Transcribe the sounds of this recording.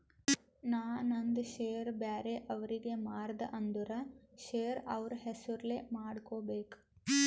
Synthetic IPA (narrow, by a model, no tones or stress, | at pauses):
naːnɐnd̪ɐʃeːjɐɾbaːɾeʔɐʋɐɾiɡe̞maːɾd̪ɐʔɐnd̪uɾɐʃeːjɐɾɐʋɐɾuɦesuɾleːmaːɽkoːbeːk